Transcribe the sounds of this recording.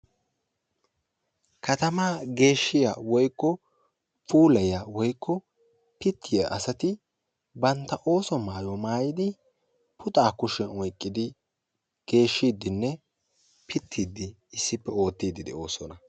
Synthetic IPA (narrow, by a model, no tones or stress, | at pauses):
kɐt̪ɐmaːɡe̞ːʃːɪja̰ːwɔjkːɔ | puːlɐjawɔjkːɔ | pɪt̪ʰːɪjaʔɐsɐt̪ɪ | bɐnt̪ːɐʔo̞ːsɔmaːjɔmaːjɪd̪ɪ | pʰʊt̪ʼaːkʊʃɛnɔjkʼːɪd̪ɪ | ɡ̥e̞ːʃːiːd̪ːɪnːɛ | pʰɪt̪ʰːiːd̪ɪː | sːɪpːɛo̞ːt̪ːiːd̪ɪd̪ɛ̰o̞ːsɔnɐ